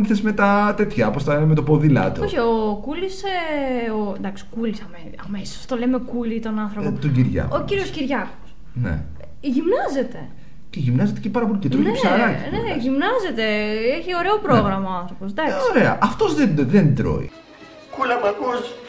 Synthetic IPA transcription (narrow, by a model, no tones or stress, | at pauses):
θesme̞t̪ɐt̪e̞t̪çɐpost̪ɐinemet̪opoðilɐ̰t̪ooçiokuliseond̪ɐksi̥kulisɐmeɐmesi̥t̪olemekulit̪o̞nɐnθɾopot̪oɟiɾʝɐ̰ociɾio̞sciɾʝɐxo̥s | nḛ | ʝimnɐze̞t̪e | ceʝimnɐzet̪e̞cepɐɾɐpo̞licet̪ɾonepsɐɐlɐçneʝimnɐze̞t̪e̞eçio̞ɾe̞o̞pɾo̞ɣɾɐmɐoɐnθɾo̞po̞sd̪ɐksoɾeɐ̰ʔɐft̪o̞zðenðend̪ɾo̞̰ḭ | kulɐmɐkos